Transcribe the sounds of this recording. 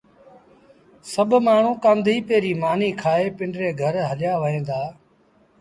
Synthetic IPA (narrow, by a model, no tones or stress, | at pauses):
səbʱmaːɳ̤ũːkãːnd̪ʱiːpeːɾiːmaːniːkʰaːeːpɪɳɖɾeːɡʱəɾɦəljaːʋəɦẽːd̪aː